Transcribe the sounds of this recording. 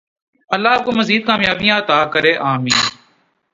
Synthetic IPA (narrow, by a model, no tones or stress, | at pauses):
əlːaːkoːməziːd̪̚kaːmjaːbijãːət̪aːkəɾeːʔaːmĩːn